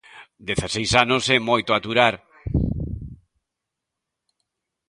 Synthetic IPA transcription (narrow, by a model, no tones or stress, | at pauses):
d̪eθasejsanosɛmojt̪oat̪uɾaɾ